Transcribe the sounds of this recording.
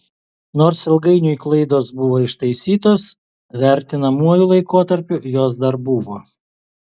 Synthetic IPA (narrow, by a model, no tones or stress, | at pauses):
noːɾsɪlˠɡɐɪnʲʊiklˠɐɪd̪oːsbʊʋoːɪʃt̪ɐɪsʲiːt̪oːs | ʋʲæˑɾʲt̪ʲɪnɐmuɔjulˠɐɪkoːt̪ɐɾʲpʲʊjoːs̬d̪ɐɾbʊʋoː